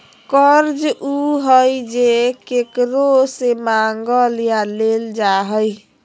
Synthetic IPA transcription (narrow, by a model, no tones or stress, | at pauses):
kəɾd͡ʒuɦəjd͡ʒekekɾosemaŋɡəljaleld͡ʒaɦəj